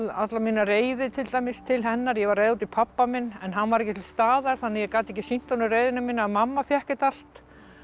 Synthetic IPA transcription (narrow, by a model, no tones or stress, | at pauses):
at̪lamiːnareːjðɪt̪ʰɪlt̪ajmɪst̪ʰɪlɦɛnːaɾjɛvaɾrːejðut̪ɪpʰapːamɪnːɛnɦanːvaɾɛhcɪt̪ʰɪlst̪aːðaɾ̥θanːɛjɛkaːt̪ɪɛhcːɪsin̥t̪anʏreːjðɪnamiːnaːðmamːafjɛhcɪt̪al̥t̪